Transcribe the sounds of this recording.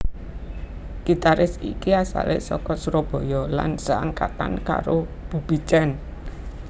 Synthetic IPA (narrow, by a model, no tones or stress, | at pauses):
kit̪aɾɪsḭkiasa̰lesɔkɔsuɾɔb̥ɔ̤jɔla̰nsaanŋkat̪a̰nka̰ɾob̥ṳb̥it͡ʃɛn